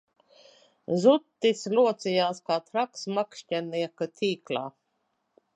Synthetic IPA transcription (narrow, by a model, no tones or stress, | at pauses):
zut̪ːisluɔt̪sijaːskaːt̪ɾaksmakʃtʲaniɛkat̪ʲʰiːklˠa̰ː